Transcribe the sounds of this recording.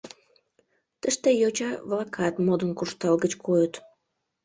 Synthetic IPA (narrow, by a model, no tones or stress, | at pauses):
t̪əʃt̪ejot͡ɕɑβlɑkʰɑt̪mod̪ənkuʃt̪ɑlɣət͡ɕkʰojət̪